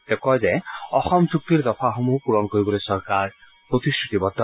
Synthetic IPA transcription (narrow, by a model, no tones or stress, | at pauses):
d̪̥ɛkɔjzɛɔxɔmzuk̚t̪iɹd̪ɔpʰaxomupuɹɔnkoɹibɔlojsɔɹkaɹ | pɹot̪istɹut̪ibɔd̪ʱːɔ